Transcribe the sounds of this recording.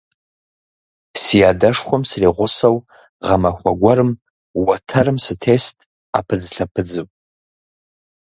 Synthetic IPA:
sijadaʂχʷamsriʁʷʊsaw | ʁamaxʷaɡʷaɾɨm | watʰaɾɨmsɨtʰestʼ | a̰pʰɨd͡zɬapʰɨd͡zɨ

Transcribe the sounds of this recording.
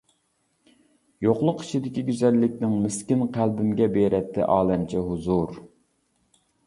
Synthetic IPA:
joqlˠʊqi̥ʃid̪ɪkʲiɡʲyzɛlːɪkʲnɪŋmɪskʲinqʰælbɪmɡʲɛbeɾʔɛt̪ʰːɪ̰ʔɑːlˠɛmt͡ʃʰɛɦuzuɾ

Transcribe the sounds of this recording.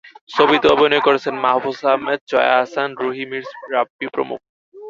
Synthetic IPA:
ʃobit̪eɔbinoekoɾet͡ɕʰenmaɦafusaɦmed̪̚t͡ɕɔ̰ja̰ɦasanɾuɦimiɾsɾabipɾo̰mṵk̚

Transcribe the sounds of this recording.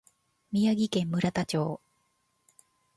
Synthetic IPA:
mʲijaɡʲikẽ̞mːɯ̟ɾat̪at͡ɕo̞ː

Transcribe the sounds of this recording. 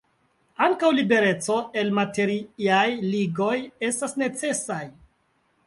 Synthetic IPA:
aŋkawlibe̞ɾe̞t͡so̞e̞lmate̞ɾiiajliɡo̞je̞stasne̞t͡se̞saj

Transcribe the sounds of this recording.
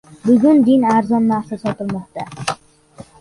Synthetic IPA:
bʊɡʲʊnd̪ɪnaɾzɒnːasasɒt̪ɪlˠmɒqt̪a

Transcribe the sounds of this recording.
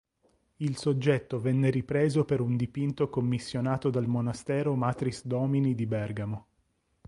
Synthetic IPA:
ilsod͡ʒːɛt̪ːovɛnːeɾipɾeːzopeɾund̪ipint̪okomːisːjonaːt̪od̪almonast̪ɛːɾomat̪ɾisd̪ɔːminid̪ibɛrɡamo

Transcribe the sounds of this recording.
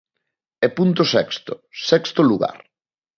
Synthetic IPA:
ɛpunt̪ʊsɛkst̪ʊsɛkst̪oluɣa̰ɾ

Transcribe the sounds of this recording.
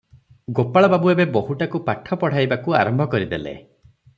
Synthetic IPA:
ɡopaɭɔbabuebeboɦuʈakupaʈʰɔpɔɽ̤ajbakua̰ɾɔmbʱɔkɔɾid̪elḛ

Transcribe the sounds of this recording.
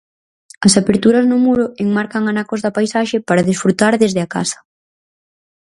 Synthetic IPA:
ɐsapeɾt̪uɾɐznʊmuɾʊeŋmaɾkɐŋanakozðapajsaʃepaɾaɐðisfɾut̪aɾðezðɪaka̰sɐ̥

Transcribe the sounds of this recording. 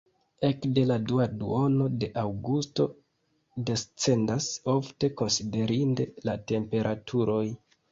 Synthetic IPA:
e̞kde̞laduadṵo̞no̞de̞ʔawɡusto̞ | de̞st͡se̞ndaso̞fte̞ko̞nside̞ɾinde̞late̞mpe̞ɾʔatʰuɾo̞j

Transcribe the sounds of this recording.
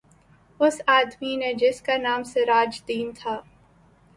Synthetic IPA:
ʊsaːd̪mined͡ʒɪskanaːmseɾaːd͡ʒd̪iːnt̪ʰaː

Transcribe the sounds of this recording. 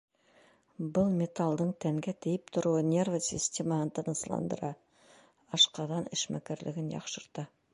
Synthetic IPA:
bʊlˠmʲe̞t̪alˠd̪əɴt̪ʰæŋɡʲet̪ʰɪjɪpt̪ʰʊɾuənʲe̞rvosʲisʲt̪ʲe̞mɑnənt̪ʰənəslˠɑ̰nd̪ə̰ɾɑ | ɑʃqɑd̪ɑnɪʃmæ̰kʲeɾlʔɪ̰ɡʲɪnjɑ̰qʃəɾd̪ə

